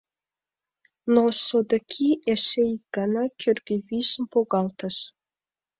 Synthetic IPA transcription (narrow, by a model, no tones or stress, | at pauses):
nosod̪əkʲʰieʃejiɡ̥ɑnɑkʲʰørɡʲeviʃəmpoɣɑlt̪əʃ